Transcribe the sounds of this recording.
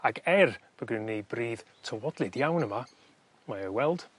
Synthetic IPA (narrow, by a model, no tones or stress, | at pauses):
aɡɛrb̥əɡɪnːejbriːð̥tʰəwɔdlˠɨdjawnəma | maəwɛlˠd̥